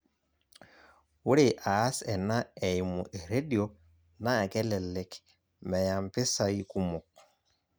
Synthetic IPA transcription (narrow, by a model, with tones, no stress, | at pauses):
wu˦ɾe˨ʔa˨˦sɛ˨na˦ɛ˨i˨mṵ˨ʔe˨ɾe˦di˨o˦ | na˦˨kɛ˦lɛ˨lɛ˨k | mɛ˨ja˨mpɪ˦sa˨i˦ku˦mo˨k